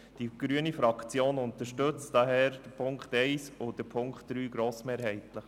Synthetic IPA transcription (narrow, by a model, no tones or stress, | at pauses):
d̥iɡ̥ɾyənifɾɑkt͡sjoːnʊnt̪əʃtɵt͡std̥ɑɦɛːɾd̥əpʰʊŋkχtɛɪsʊd̥əpʰʊŋkχt̚d̥ɾyːɡ̥ɾoːsmeːɾɦɛɪtləχ